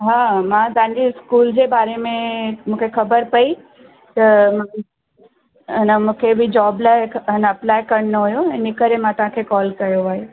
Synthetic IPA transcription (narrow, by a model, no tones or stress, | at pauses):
ɦaːmãt̪ãɲd͡ʑiɪskuːld͡ʑeːbaːɾemẽmũːkʰexʰɐbəɾpɐi | t̪ɐm | ɐnəmũːkʰebʱɪd͡ʑɔːblanɐplaːjkɐɾnoɦujoɛ̃ːnɪkəɾemãt̪ɐʋɦãkʰekɔːlkɐjoʋaːɦe